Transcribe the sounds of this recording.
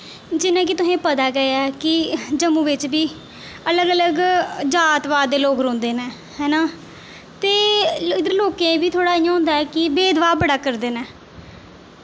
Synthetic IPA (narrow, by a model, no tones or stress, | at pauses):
d͡ʒɪnãːk̬ɪt̪ʊsẽːpət̪aːɡəjaɛːkɪd͡ʒəmũːʋɪt͡ʃbiː | ələɡələɡd͡ʒaːt̪ʋaːd̪d̪eːloːkɾõːnd̪eːnɛ̃ː | hɛːnaː | t̪eːɪd̪əɾloːkẽbiːt̪ʰoːɽaːiːãːõːnd̪aːɛːkɪbeːd̪ʋaːbəɽaːkəɾd̪eːnɛː